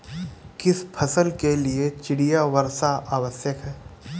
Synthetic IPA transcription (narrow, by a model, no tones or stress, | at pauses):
kɪspʰɐsəlkeliet͡ʃɪɽijaʋəɾsaʔaːʋəsjəkɦɛː